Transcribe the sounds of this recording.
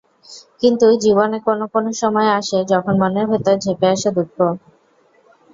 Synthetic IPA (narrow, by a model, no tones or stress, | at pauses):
kint̪ud͡ʑibonekonokonoʃɔmɔeaʃed͡ʑɔkʰonmaneɾbʱet̪aɾd͡ʑʱepeaʃad̪ukʰːo